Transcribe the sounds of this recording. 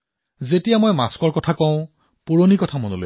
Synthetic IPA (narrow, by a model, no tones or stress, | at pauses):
zetijamojmaskɔɹkɔtʰakɔ̃ʊ̃ | puɹonikɔtʰamonolo̰